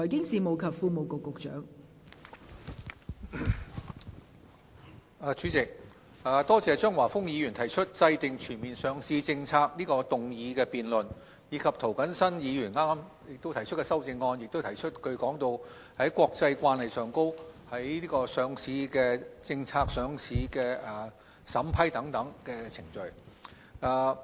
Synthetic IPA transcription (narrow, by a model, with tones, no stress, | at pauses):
ɔː˨˩jkɪ˥ŋsiː˨mo˨wkʰɐ˨p̚fuː˧mo˨wkʊ˨kːʊ˨k̚t͡ʃœ̰ː˨˥ŋ | aː˨˧t͡ʃyː˨˥t͡sɪ˨k̚ | aː˨t̪ɔː˥t͡sɛː˨t͡ʃœː˥ŋwaː˨˩fʊ˥ŋjiː˨˧jy˨˩nt̪ʰɐ˨˩jt͡ʃʰɵ˥t̚t͡sɐ˧jt̪ɪ˨ŋt͡ʃʰyː˨˩nmiː˨˩nsœː˨˧ŋsiː˧t͡sɪ˧ŋt͡sʰaː˧k̚niː˥kɔː˧t̪ʊ˨ŋjiː˨˧kɛː˧piː˨nlɵ˨˩n | jiː˨˧kʰɐ˨p̚t̪ʰo˨˩wkɐ˨˥nsɐ˥njiː˨˧jyː˨˩nŋaː˥m | jɪ˨k̚t̪o˥wt̪ʰɐ˨˩jt͡ʃʰɵ˥t̚kɛː˧sɐ˥wt͡sɪ˧ŋːɔː˧njɪ˨k̚t̪o˥wt̪ʰɐ˨˩jt͡ʃʰɵ˥t̚kʰɵ˨˧ɥkɔː˨˥ŋt̪o˧w | hɐ˨˥jkʷwɔː˧k̚t͡sɐ˧jkʷaː˧nhɐ˨jsœː˨ŋko˥whɐ˨˥jniː˥kɔː˧sœː˨˧ŋsiː˨˧kɛː˧t͡sɪ˧ŋt͡sʰaː˧k̚sœː˨˧ŋsʰiː˨˧kɛː˧ɐː˨˩ | sɐ˨˥mpʰɐ˥jt̪ɐ˨˥ŋt̪ɐ˨˥ŋkɛː˧t͡sʰɪ˨˩ŋt͡ʃɵ˨ɥ | aː˨˩